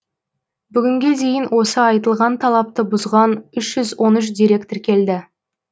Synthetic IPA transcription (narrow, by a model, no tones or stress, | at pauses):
bʏɡʲɪŋɡʲe̞d̪e̞jɪnwo̞səɑjt̪əlˠʁɑnt̪ʰɑlˠɑp̚t̪əbʊzʁɑnʏʃʒ̥ʏzwo̞nʏʃ̬d̪iɾe̞kt̪ɪɾkʲʰe̞ld̪ɪ